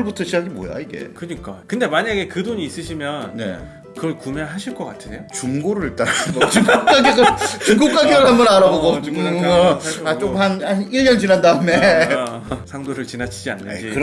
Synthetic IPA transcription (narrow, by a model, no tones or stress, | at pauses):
ɯɭbutʰʌɕʰid͡ʑaɡimo̰ja̰iɡe̞̰kɯɲik͈akɯndemaɲaɡe̞kɯdoɲiːs͈ɯɕʰimjʌnne̞̰ | kɯʌɭkumeɦaɕʰiɭk͈ʌk͈atʰɯneot͡ɕumɡoɾɯɾit͈aɾbʌt͡ɕŋɡuk̚k͈aɡiɡɯɭt͡ɕiŋɡok͈aɡiɡɯɭhambʌnaɾaboɡo | at͡ɕ͈omhananiɭːʌnd͡ʑinandaɯme̞ | sʰaŋdoɾɯɭt͡ɕinat͡ɕʰid͡ʑia̰nːɯ̰nd͡ʑikɯɾ